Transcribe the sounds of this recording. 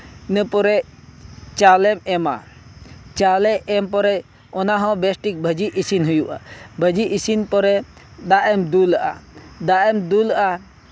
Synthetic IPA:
nəpɔɾɛ | t͡ʃalɛmɛma̰ | t͡ʃalɛʔɛmpɔɾɛ | ɔnaɦɔ̃bɛsʈik̚bʱəd͡ʒiʔisinɦujuʔa̰bʱəd͡ʒiisinpɔɾɛ | d̪aʔɛmd̪ulʔa̰d̪aʔɛmd̪ulʔa

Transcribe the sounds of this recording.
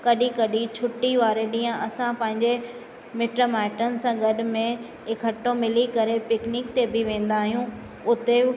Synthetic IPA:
kɐɗikɐɗit͡ɕʰʊʈːiʋaːɾeɗĩːə̃ʔɐsãpɐ̃ɦɪ̃ɲd͡ʑe | mɪʈomɛːʈənɪ̆sãɡɐɗ̆mẽ | ɪkʰɐʈːomɪlikɐɾepɪknɪk̚t̪ebɪʋẽːn̆d̪aːɦijũ | ʊt̪e

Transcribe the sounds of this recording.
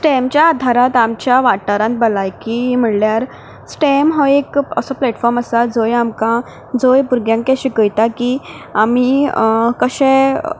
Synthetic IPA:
sʈɛmt͡ɕjaːd̪ʱaɾat̪amt͡ɕjaʋaʈaɾãnt̪̚bəlajkiɦim̤əɽljaɾ | sʈɛmɦɔekəsɔplɛʈfɔɾməsad͡zojamkã | d͡zojpuɾɡjãŋkkɛɕikəjt̪aki | amikəɕɛ̃

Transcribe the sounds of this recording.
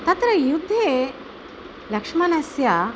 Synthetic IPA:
t̪at̪ɾəjud̪ʱːe | lɐkʂmanasja

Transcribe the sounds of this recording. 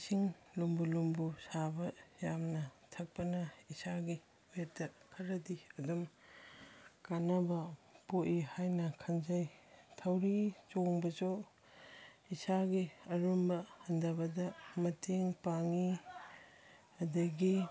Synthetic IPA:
siŋlumbulumbusabɐjamnɐtʰɐk̚pɐnɐisaɡi | ettɐkʰɐɾɐdiɐdum | kanɐbɐpoʔihajnɐkʰɐnzajtʰɐwɾit͡ʃoŋbɐzo | isaɡiɐɾumbɐhɐndɐbɐdɐmɐtʰeŋpaŋi | ɐdɐɡi

